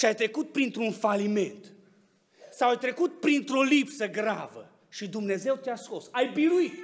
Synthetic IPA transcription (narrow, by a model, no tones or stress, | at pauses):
ʃiajt̪ɾe̞kut̪̚pɾint̪ɾunfalime̞nt̪ | sawajt̪ɾe̞kut̪̚pɾint̪ɾo̞lipsəɡɾa̰və̰ | ʃid̪umne̞ze̞wt̪easko̞sajbiɾuit̪